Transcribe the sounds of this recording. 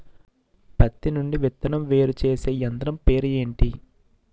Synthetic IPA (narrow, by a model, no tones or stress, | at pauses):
pɐt̪ːinuɳɖiʋɛt̪ːɐnɐmʋe̞ːɾut͡ʃe̞ːse̞ːjɐnd̪ɐɾɐmpe̞ːɾuje̞ːɳʈi